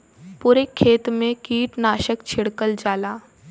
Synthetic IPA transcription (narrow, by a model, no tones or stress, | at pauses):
puɾekʰːeːt̪mẽkiːʈnaːʃəkt͡ɕʰiɽkəld͡ʒaːlaː